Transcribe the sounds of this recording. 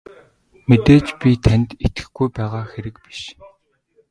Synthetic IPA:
met̪eːt͡ɕpʲit̪ʰænt̪et̪ɡɘ̥̆xɡujpæːʁaːxeɾɘ̆kpi̥ʃ

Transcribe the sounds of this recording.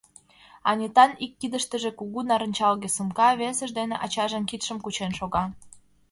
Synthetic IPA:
ɑnʲet̪ɑnikːid̪ə̆ʃt̪ə̆ʒĕkuɣunɑɾə̆nʲt͡ɕɑlɣesəmkɑβesə̆ʒd̪eneʔɑt͡ɕɑʒəmkit̪ʃə̆mkut͡ɕenʃoɣɑ

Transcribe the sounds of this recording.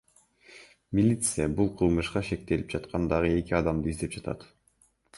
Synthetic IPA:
mʲilʲit̪sɨjabulˠqʰɯlˠmɯʃqɑʃe̞k̚t̪e̞lip̚d͡ʒɑt̪qʰɑnd̪ɑʁɯe̞kʲiɑd̪ɑmd̪ɯizd̪e̞p̚d͡ʒɑt̪ʰɑ̰t̪

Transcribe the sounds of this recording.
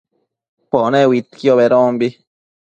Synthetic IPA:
ponẽwit̪kjoβeɾõːmbi

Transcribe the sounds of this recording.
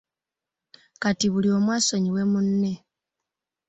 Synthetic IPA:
katiβulio̞mwaːso̞ɲiwe̞munːe̞

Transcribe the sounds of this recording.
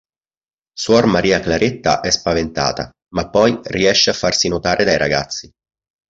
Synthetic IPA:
suɔrmaɾiːaklaɾet̪ːa̰ʔɛspavent̪a̰ːt̪a̰ | mapːɔjriɛʃːeafːarsinot̪aːɾʔed̪ajɾa̰ɡa̰t̪sːi

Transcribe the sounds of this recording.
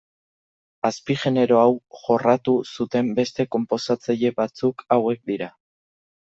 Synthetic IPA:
aspiʝe̞ne̞ɾo̞awʝo̞rat̪usut̪e̞mbe̞st̪e̞ko̞mpo̞sat͡saʎe̞βat͡sukawe̞k̚d̪iɾa

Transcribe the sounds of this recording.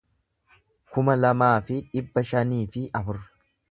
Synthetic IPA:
kʊmɐlɐmaːfɪᶑɪbːɐʃɐniːfɪʔɐfʊrɐ̥

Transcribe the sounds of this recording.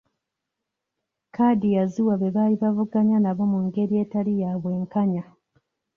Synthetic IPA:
kaːdijaziwaβe̞βaːliβavuɡaɲanaβo̞muŋɡe̞ɾie̞ːtalijaːβwe̞ːŋkaɲa

